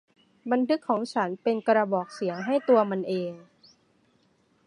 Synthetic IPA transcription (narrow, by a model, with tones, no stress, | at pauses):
ba˧nt̪ʰɯ˦˥kʰːɔː˩˦ŋt͡ɕʰa˦˥npe˧nkɾa˧bɔː˨˩k̚si˩˦əŋɦa˥˩jt̪u˧ɐma˧nʔeː˧ŋ